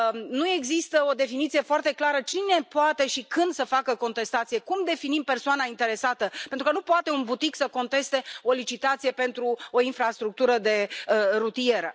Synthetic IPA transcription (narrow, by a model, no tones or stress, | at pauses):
nue̞ɡzist̪əo̞d̪e̞finit̪sije̞foart̪e̞klaɾət͡ʃine̞poat̪e̞ʃikɨnd̪səfakəko̞nt̪e̞st̪at̪sijekumd̪e̞finimpe̞rsoanaint̪e̞ɾe̞sat̪əpent̪ɾukənupoat̪e̞unbut̪iksəko̞nt̪e̞st̪e̞o̞lit͡ʃit̪at̪sije̞pe̞nt̪ɾuo̞infɾast̪ɾuk̚t̪uɾəd̪e̞ɾut̪ije̞ɾə